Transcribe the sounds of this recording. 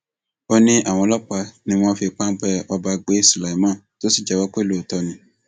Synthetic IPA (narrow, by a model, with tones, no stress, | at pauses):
o˧nĩ˧ʔa˨w̃ɔ̃˧lɔ˦k͡pa˧nĩ˧w̃ɔ̃˧fi˧k͡pã˦bɛ˧ɔ˧ba˧ɡ͡be˦si˨la˨i˨˦mãː˦˨to˦si˦˨d͡ʒɛ˦˨wa˨˦k͡pe˦i˨lo˦˨tɔ˧nĩ˨˦